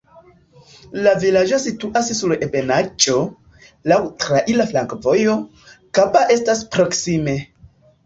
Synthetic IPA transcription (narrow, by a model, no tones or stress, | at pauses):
lavilad͡ʒo̞situʔassuɾepe̞nat͡ʃo̞ | lawtɾaʔilaflaŋkvo̞jo̞ | kapaʔe̞staspɾo̞ksime̞